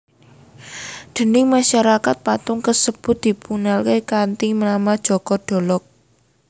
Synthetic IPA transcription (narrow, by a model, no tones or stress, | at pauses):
d̪̥ə̤nɪŋmaʃaɾakat̪̚pat̪ʊŋkəsəb̥ʊ̤t̪̚d̪̥i̤punalkekant̪imnamad̥ʒ̥ɔ̤kɔɖ̥ɔ̤lɔk̚